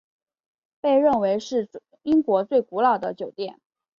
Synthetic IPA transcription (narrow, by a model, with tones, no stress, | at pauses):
pe˥˧ɪɻə˥˩nwe˧˥ɪʂɻ̩˥˩ | i˥ŋkwɔ˧˥t͡swe˥˩ɪku˧˥lɑ˨˩ʊd̪ə˦t͡ɕjo˨˩ʊt̪jɛ˥˩n